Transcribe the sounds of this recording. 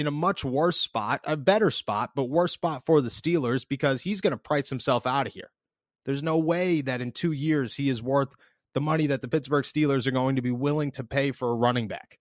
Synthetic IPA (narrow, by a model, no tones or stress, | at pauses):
ɨ̃nəmʌt͡ʃwɜ˞spɑ̰ɾɨbɛɾə˞spɑ̰t̚b̥ʌt̚wɜ˞spɑtfə˞ðɨstilˠə˞zbɨkʰʌz̥izɡʌnəpʰɹ̥aɪshɨ̃m̩sɛlˠfaʊɾ̚hḭɹ | ðə˞znoʊweɪðɨɾɨ̃ntʰʉjɪɹz̥hiɨzwɜ˞θ | ðəmʌñiðɨt̪̚ðəpɪtsb̥ə˞ɡ̥stilˠə˞zə˞ɡoʊɪ̃ŋtʰɨbiwɪlˠɪ̃ŋtʰɨpʰeɪfə˞əɹʌnɪ̃ŋbæ̰k